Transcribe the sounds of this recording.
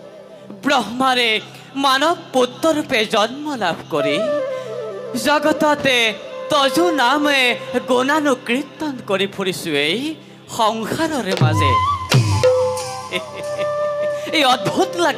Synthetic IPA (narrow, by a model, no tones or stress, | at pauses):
bɾɔɦmaɾe | manɔk̚put̪ːɔɾuped͡ʒɔnmɔlabʱkɔɾi | d͡ʒɔɡɔt̪ɔt̪et̪ɔd͡ʒunameɡonanukɾit̪ɔnkɔɾipʰuɾisuej | xɔŋxaɾɔɾemad͡ʒe | ejɔd̪̚bʱut̪la